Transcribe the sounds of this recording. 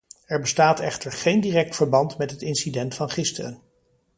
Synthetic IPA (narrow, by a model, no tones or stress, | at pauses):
ɛɹbəstaːtɛχtəɹχejndiːrɛk̚tfəɹbɑntmɛtɦətɪnsidɛntfɑnχɪstərən